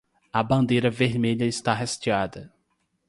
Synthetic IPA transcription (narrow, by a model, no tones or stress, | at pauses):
ɐbɐ̃nd̪ejɾɐveɾmeʎɐist̪aɦɐst͡ʃiad̪ɐ